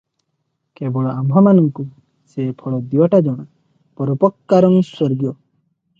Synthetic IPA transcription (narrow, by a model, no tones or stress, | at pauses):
kebɔɭɔambʱɔmanɔŋku | sepʰɔɭɔd̪iɔʈad͡ʒɔɽ̃a | pɔɾɔpɔkːaɾɔŋswɔɾɡjɔ